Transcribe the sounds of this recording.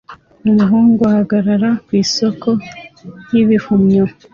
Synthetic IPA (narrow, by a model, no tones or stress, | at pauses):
uɦuŋɡuahaɡaɾaɾakwiːso̞ko̞jiβihumɲo